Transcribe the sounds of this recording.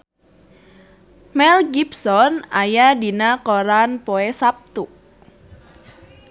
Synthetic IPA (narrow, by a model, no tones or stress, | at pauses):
mɛlɡipsɔnajadinakoɾanpoesap̚t̪u